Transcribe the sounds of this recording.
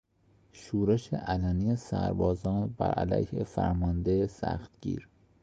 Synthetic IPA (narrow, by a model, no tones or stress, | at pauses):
ʃuːɾeʃḛʔælænijesæɾbɒːzɒːnbæ̰ɾʔæ̰læjhefæɾmɒnd̪esæxt̪ɡ̥ḭːɾ